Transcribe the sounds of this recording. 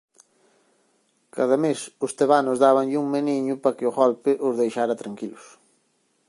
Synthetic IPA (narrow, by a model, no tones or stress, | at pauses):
kaðɐmesʊst̪eβanʊzðaβɐŋʎɪuŋmeniɲʊpɐkɪʊɣɔlpɪʔʊzðejʃaɾɐt̪ɾaŋkilʊs